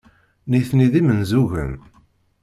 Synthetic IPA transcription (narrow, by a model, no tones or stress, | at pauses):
niθniðimənzuʝə̰n